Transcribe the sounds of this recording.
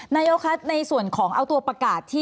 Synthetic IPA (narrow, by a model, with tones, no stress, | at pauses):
naː˧˥joː˦˥kʰa˦˥t̪̚na˧jsu˨˩ənkʰɔː˩˦ŋʔa˧wt̪u˧ɐpɾa˧kaː˨˩t̪ʰːiː˥˩